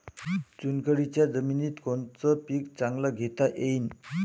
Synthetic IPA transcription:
t͡ɕunkəɽit͡ɕjad͡zəminit̪kont͡səpikt͡saŋɡlaɡʱet̪aʔejn

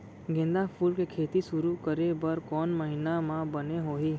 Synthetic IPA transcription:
ɡẽnd̪afuːlkekʰeːt̪isʊɾukəɾebəɾkɔːnməɦinamãbəneɦoːɦiː

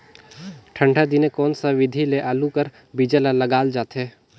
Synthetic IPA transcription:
ʈʰə̃ɳɖʱad̪inekɔːnsaʋɪd̪ʱileʔaːlukəɾ | bid͡ʒəlalɐɡaːld͡ʒaːt̪ɦɛː

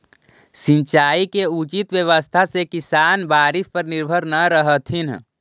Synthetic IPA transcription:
sĩnt͡ʃaːikeut͡ʃit̪ʋjəʋəst̪ʰasekisaːnbaːɾɪspəɾnɪɾbʱəɾnəɾəɦət̪ʰin

